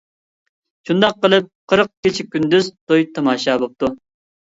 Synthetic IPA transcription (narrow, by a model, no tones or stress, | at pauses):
ʃund̪ɑqːəlˠɨp̚qʰəɾəq̚kʲet͡ʃʰikʲynd̪yzt̪ojt̪ʰɑmɑːʃɑːbop̚t̪u